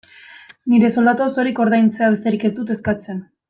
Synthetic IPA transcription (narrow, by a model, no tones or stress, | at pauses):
niɾe̞so̞ld̪at̪oso̞ɾiko̞ɾðajnt͡seaβe̞st̪e̞ɾike̞zd̪ut̪e̞skat͡se̞n